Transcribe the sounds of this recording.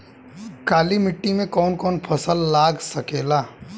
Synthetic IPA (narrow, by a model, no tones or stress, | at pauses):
kaːlimɪʈːimẽkɔːnkɔːnpʰɐsəlːaːɡsɐkeːlaː